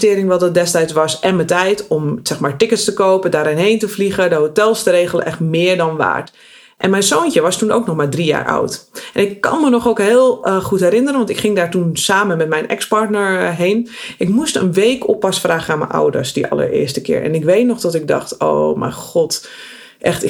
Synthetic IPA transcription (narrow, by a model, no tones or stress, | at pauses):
tɪːɾɪŋʋɔlˠdədɛstɛjtsʋɑsʔɛnmətɛjtɔmsɛxmaːɹtɪkətstəkowpədaːɾɪnɦejntəfliχədəɦotɛlˠstəɾeːχələʔɛχtmɪːɹdɔnʋa̰ːɹt | ʔɛnmɛjnsoːncəʋɑstuno̰wknɔχmaːɹdrija̰ːɹʔɔ̰wtʔɛnɪkːɑ̰nmənɔχoːkɦɪːlˠχutɦɛɾɪnərənʋɑntɪkχɪŋdaːɹtunsaːməmɛtmɛjnɛ̰kspɑɹtnəɹɦejnʔɪkmustə̰nʋejkʰɔpːasəfraːχəaːnmə̰nʔɔ̰wdə̰ɹsdəʔɑ̰lˠə̰ɹɪ̰ːɹstəkɪ̰ːɹʔɛ̰nɪkʋejtnɔχdɔtɪk̚dɑ̰xto̰wmɛ̰jxɔt | ʔɛxt